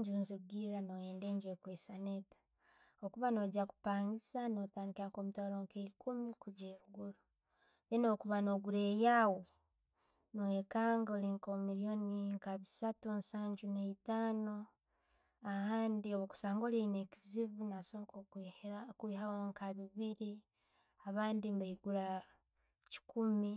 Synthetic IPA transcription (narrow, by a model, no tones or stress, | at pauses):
ɲɟunziɾuɡiɾanojeːnde̞ːɲɟwekweːsanetḁ | okuβano̞ɟaku̥paːŋɡisano̞taːndikakomutaɾoŋkeikʰumikuɟeɾuɡuɾu | jeno̞ːkuβano̞ɡuɾe̞jaːwe | nowekaːŋɡoliŋkomiɾijo̞niŋkaβisatunsaːɲɟuneitaːno | ahaːndioβoku̥saːŋɡo̞leineciziβunasokokkwiːhawoŋkaβiβiɾi | aβaːndimbaiɡuɾa | ci̥kumi